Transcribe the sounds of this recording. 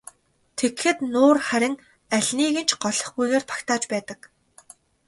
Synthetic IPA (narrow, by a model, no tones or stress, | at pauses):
t̪ʰekxɘ̆t̪noːrχæɾʲɪ̆ŋ | æɮʲniːɣɘ̆nt͡ɕʰɢɔɮɞ̆χɡujɣeːrt̪ʰḁkt̪ʰaːt͡ɕpæːt̪ə̆k